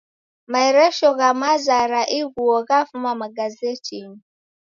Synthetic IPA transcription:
maɛɾɛʃɔɣamazaɾaʔiɣuɔɣafumamaɡazɛtiŋ

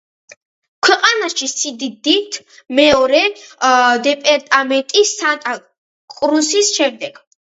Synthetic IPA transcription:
kʰwɛqʼanaʃisid̪id̪it̪ʰ | mɛɔɾɛ | d̪ɛpʼɛɾt̪ʼamɛnt̪ʼisːant̪ʼa | kʼɾusisʃɛmd̪ɛɡ̥

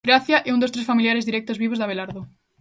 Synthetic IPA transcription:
ɾaθjaʔɛũnd̪ost̪ɾesfamiljaɾezðiɾɛk̚t̪ozβiβ̞ozðaβ̞elaɾðʊ

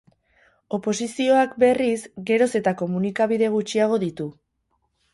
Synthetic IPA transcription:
o̞po̞sisio̞akbe̞rizɡe̞ɾo̞se̞t̪ako̞munikaβ̞ið̞e̞ɣ̞ut͡ʃiaɣ̞o̞ðit̪u

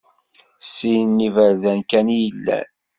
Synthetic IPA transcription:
sijənːivəɾðænkænjəlːæ̰n

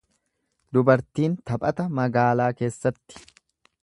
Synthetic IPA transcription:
d̪ʊbɐɾt̪iːnt̪ɐpʼɐt̪ɐmɐɡaːlaːke̞ːsːɐt̪ːɪ̥

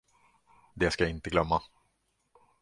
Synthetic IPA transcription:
d̪eːskajaɪnt̪əɡlœmːa

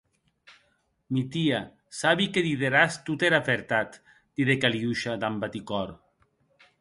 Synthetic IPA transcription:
mit̪ia | saβikeðiðeɾast̪ut̪eɾafeɾt̪at̪ | d̪̥iðekaliuʃad̪ambat̪ikɔɾ

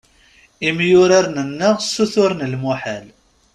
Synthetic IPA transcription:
imjʊɾaɾnənːəʁsuθʊɾnəlmuħæl

